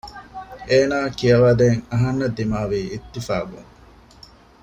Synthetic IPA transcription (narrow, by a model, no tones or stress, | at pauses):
eːnaːkijɐʋaːd̪eːŋɐɦɐnːɐd̪imaːʋiːit̪ːifa̰ːɡṵŋ